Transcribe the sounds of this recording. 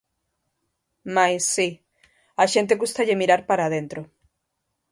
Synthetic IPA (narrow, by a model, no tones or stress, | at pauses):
majsːi | aʃent̪eɣust̪aʎemiɾaɾpaɾað̞ent̪ɾo